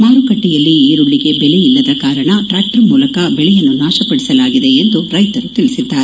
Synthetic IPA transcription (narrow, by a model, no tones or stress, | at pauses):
maːɾukɐʈːijɐlːiiːɾuɭːiɡe̞bɛlejilːɐd̪ɐkaːɾɐɳɐʈɾaːk̚ʈɐɾmuːlɐkɐbɛɭɛjɐnːunaːʃɐpɐɽisɐlaːɡid̪e̞ːnd̪uɾɐjt̪ɐɾut̪iɭisid̪ːaːɾe